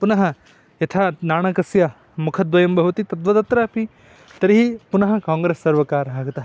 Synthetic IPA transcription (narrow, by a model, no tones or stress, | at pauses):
punɐɦɐ | jɐt̪ʰaːnaːɳɐkɐsja | mukʰɐt̪ʋɐjɐmbɐɦut̪it̪ɐt̪ʋɐt̪ɐt̪ɾaːpi | t̪ɐɾɦipunɐɦɐ̆kãːŋɡɾeːsːɐɾʋɐkaːɾbʱaːɡɐt̪ɐɦɐ